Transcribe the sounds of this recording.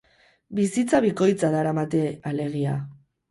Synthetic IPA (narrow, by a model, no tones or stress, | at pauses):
bisit͡saβiko̞jt͡saðaɾamat̪e̞ale̞ɣ̞ia̰